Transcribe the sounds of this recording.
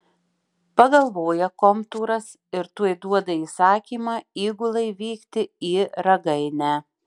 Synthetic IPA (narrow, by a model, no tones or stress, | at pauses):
pɐɡɐlˠʋoːjɛkɔmt̪uːɾɐs | ɪɾt̪uɔjd̪uɔd̪ɐiːsɑːkʲiːmɑːiːɡʊlˠɐɪʋʲiːkt̪ʲɪiːɾɐɡɐɪnʲæː